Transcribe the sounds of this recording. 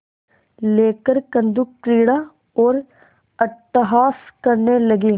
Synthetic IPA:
leːkəɾkɐ̃nd̪ukːɾiːɽa | ɔːɾ | ɐt̪ːɪɦaːskɐɾnelɐɡiː

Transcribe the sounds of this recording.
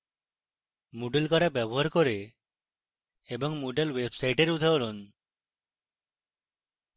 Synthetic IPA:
muɖelkaɽabɛbɔɦaɾkɔɾe | bɔŋmuɖelwebsajʈeɾud̪ʱaolɔn

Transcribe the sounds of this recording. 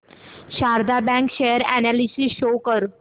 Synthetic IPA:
ɕaɾd̪ʱabɛ̃ŋkɕejəɾænalisisɕokəɾ

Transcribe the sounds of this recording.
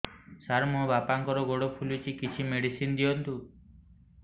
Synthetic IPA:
saɾmuɦɔ̃bapaŋkɔɾɔɡoɽopʰulut͡ʃʰikit͡ʃʰimeɽisind̪iɔnt̪u

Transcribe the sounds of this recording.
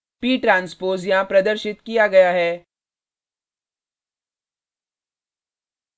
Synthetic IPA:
piːʈɾãːnspoːzjãpɾɐd̪əɾʃɪt̪kijaɡɐjaɦɛː

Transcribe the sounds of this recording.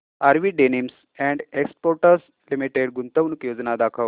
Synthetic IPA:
aɾʋiɖenims | ɛ̃ɳɖekspoɾʈəɾs | limiʈeɽɡunt̪əʋnukjod͡znad̪akʰəʋ

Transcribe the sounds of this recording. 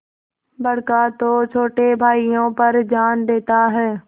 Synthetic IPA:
bɐɽkat̪oːt͡ɕʰoːʈebʱaːijõːpɐɾd͡ʑaːnɗ̪eːt̪aɦɛː

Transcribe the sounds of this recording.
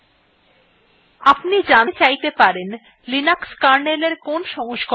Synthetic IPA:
apnid͡ʑat͡ɕajt̪epaɾen | linakskaɾneleɾkonʃɔŋoʃk

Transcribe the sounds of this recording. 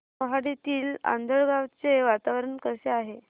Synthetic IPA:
əɦaɽit̪iːla̰nd̪ʱəɭɡawt͡seʋat̪aʋɾəɳkəseaɦe

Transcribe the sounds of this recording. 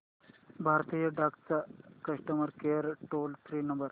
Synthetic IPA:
bʱaɾt̪ijəɖʱakt͡sakɐʂʈəməɾkeəɾʈoːltʰɾinɐmbəɾ

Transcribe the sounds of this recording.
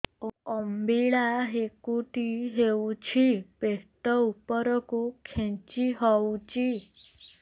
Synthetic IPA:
oəmbiɭaɦekuʈ̪iɦeut͡ʃʰipeʈ̪əupəɾəkukʰːẽnt͡ʃiɦɔut͡ʃi

